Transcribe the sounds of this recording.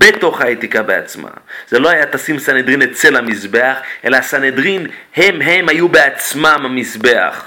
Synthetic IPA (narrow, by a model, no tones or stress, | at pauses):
beto̞χhaet̪ikabea̰t͡sma̰z̥elo̞hajat̪asimsanedʁinet͡se̞lhamisbe̞aχʔe̞laːsanedʁinhe̞mɦemhajubeat͡smamamisbe̞a̰χ